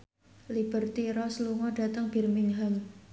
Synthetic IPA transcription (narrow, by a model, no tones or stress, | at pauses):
lib̥ə̤rt̪iɾɔsluŋɔɖ̥a̤t̪əŋb̥i̤rmɪŋɦam